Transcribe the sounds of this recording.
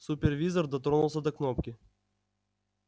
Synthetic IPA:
supʲɛrvʲizərd̪ɐt̪ɾonulˠsʲəd̪ɐknopkʲɪ

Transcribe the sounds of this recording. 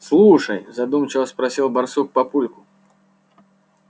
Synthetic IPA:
slˠuʂɐjzad̪umt͡ʃɪwɐspɾasʲilˠbarsuk̚papulʲkʊ̥

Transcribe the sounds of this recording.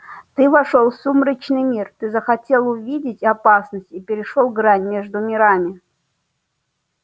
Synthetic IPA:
t̪ɨvɐʂolˠsumɾət͡ɕnɨjmʲirt̪ɨzəxɐtʲelˠʊvʲidʲɪtʲɐpasnəsʲtʲipʲɪɾʲɪʂolˠɡɾanʲmʲeʐd̪ʊmʲɪɾamʲɪ

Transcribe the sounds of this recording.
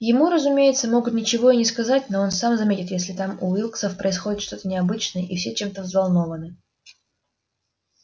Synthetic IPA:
jɪmuɾəzʊmʲejɪt̪səmo̞ɡʊt̪nʲɪt͡ɕɪvo̞ɪnʲɪskɐzatʲnoonsamzɐmʲetʲɪt̪jesʲlʲɪt̪amʊilˠk̪səfpɾʔəɪsxo̞dʲɪt̪ʂt̪o̞t̪ənʲɪɐbɨt͡ɕnəjəʔifsʲet͡ɕe̞mt̪əvzvɐlˠno̞vənɨ

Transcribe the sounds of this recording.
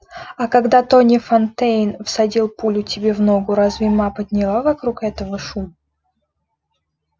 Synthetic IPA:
ɐkɐɡd̪at̪onʲɪfɐnt̪ejnfsɐdʲilˠpulʲʊtʲɪbʲevnoɡʊɾazvʲɪmapəd̪ʲnʲɪlˠavɐkɾukɛt̪əvəʂum

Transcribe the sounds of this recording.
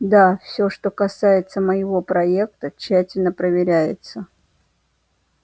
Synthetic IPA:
d̪afsʲɵʂt̪o̞kɐsajɪt̪səməjɪvo̞pɾɐek̚t̪ət͡ɕːætʲɪlʲnəpɾəvʲɪɾʲæjɪt̪sə

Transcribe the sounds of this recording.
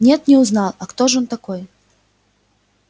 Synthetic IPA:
nʲɛt̪nʲɛuznalˠɐkt̪ɔʐjɔnt̪akɔj

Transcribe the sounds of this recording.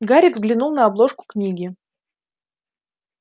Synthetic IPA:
ɡaɾʲɪzɡlʲɪnulˠnəɐblˠo̞ʂkʊ̥knʲiɡʲɪ

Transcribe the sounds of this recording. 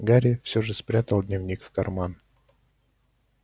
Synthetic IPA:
ɡaɾʲɪfsʲoʐɨspɾʲat̪əlˠd̪ʲnʲɪvnʲikfkɐrman

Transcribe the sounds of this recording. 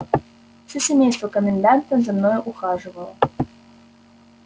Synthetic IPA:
sʲʊsʲemʲejst̪vəkəmʲɪnd̪ant̪əmzʲamnojʊʔuxaʐɨvəlˠə̰

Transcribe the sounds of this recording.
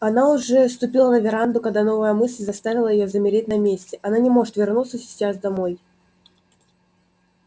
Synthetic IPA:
ɐnaʊʐɛst̪ʊpʲilˠənəvʲɪɾand̪ʊkɐɡ̚d̪ano̞vəjəmɨsʲlʲzɐst̪avʲɪlˠəjɪjozəmʲɪɾʲetʲnɐmʲesʲtʲɪʔɐnanʲɪmo̞ʐɨt̪vʲɪrnut̪səsʲɪ̥t͡ɕasd̪ɐmo̞j

